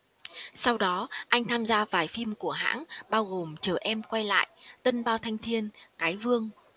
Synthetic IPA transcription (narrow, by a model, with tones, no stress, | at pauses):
sa˧wɗɔ˨˦ʔa˧jŋ̟t̪ʰaː˧mzaː˧vaː˨˩jfi˧mku˧˩əɦa̰ː˧˥nɓaː˧wɣo˨˩mt͡ɕəː˧˩ʔɛ˧mkwa˧jla̰ː˧˨jt̪ə˧nɓaː˧wt̪ʰa˧jŋ̟t̪ʰi˧ənkaː˨˦jvɨ˧əŋ